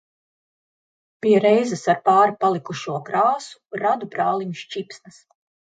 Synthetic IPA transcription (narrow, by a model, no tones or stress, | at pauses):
piɛɾɛjzɛsaɾpaːɾupalˠikuʃuɔkɾaːsu̥ɾad̪upɾaːlˠiɲuʃt͡ʃipsnɐs